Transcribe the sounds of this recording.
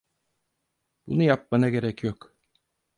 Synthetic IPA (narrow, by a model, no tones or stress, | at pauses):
b̥unujap̚manaɡeɾɛcjok